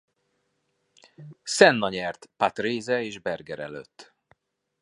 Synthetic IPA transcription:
sɛnːɒɲɛrt̪pat̪reːzɛeːʒbɛrɡɛɾɛ̰lø̰t̪ː

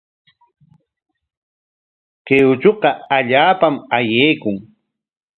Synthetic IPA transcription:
qeʊt͡ʃoqɑaʎaːpamajeːkʊŋ

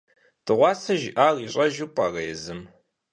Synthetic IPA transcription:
tʰɨʁʷɑːsɐʒɪʔaːriːɕʼɐʒuːpʷʼɑːrɐjɛzɨm

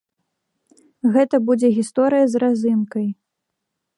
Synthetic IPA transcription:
ɣɛt̪ɐbud͡zʲɛɣʲist̪ɔɾɨjɐzrazɨnkɐj

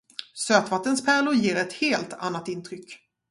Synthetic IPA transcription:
søːt̪vat̪ːənspʰæːɭʊjeːɾɛt̪heːlt̪ʰa̰nːat̪ɪnt̪ʰɾʏkː

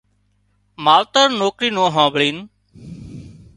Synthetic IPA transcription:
maːlt̪əɾnoːkɾiːnõːɦãːbɭiːn

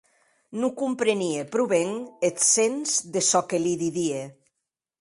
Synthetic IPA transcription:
nukumpɾeniepɾuβeŋet̪senzðesɔkeliðiðie

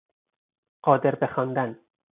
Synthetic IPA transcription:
ɢ̥ɒːd̪eɾbexɒːnd̪æn

